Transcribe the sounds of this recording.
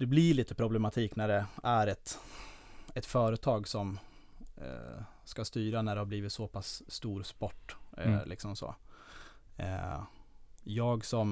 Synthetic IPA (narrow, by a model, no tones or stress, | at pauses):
d̪ɛblɪɭiːt̪əpʰɾʊblɛmat̪ʰiːknæɖɛæɾɛt̪ | ɛt̪fœːɾət̪ʰɑːɡsɔm | skast̪yːɾanæɖɛhaɾbliːvɪt̪sɔpʰasːt̪uːɾspɔʈːlʔɪ̰ksɔmso̰ː | jɑːɡsɔm